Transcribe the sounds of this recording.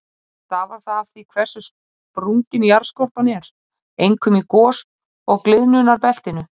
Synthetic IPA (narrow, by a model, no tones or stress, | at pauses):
θavaɾ̥θaðafθikʰvɛr̥sʏs | pɾuŋcɪnjaɾ̥skɔr̥panɛɾ̥ | ejŋkʰʏmikɔːs | ɔɣklɪðnʏnaɾpɛl̥t̪ɪnʏ